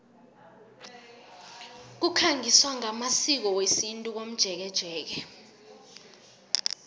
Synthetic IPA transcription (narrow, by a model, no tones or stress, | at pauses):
k̬ukʰaŋiswaŋamasik̬ɔwesintʼuk̬om̩d̥ʒ̥ʱɛk̬ɛd̥ʒ̥ʱɛːk̬ɛ